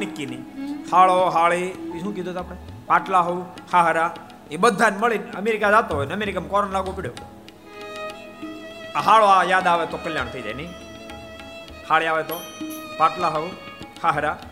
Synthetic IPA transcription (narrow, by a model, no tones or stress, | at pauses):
nɪkːinihaɭoɦaɭiiʃũːkid̪ʱot̪aːpɽepaʈlaɦouhaɦəɾa | ebəd̪ʱːanməɭinəmeɾikad͡ʒat̪oɦojnəmeɾikamkɔɾənlaɡõpɪɽ̤jo | aɦaɭoajad̪aʋet̪okəljañt̪ʰəid͡ʒa̰jnəi | haɭiaʋet̪opaʈlaɦou | haɦəɾa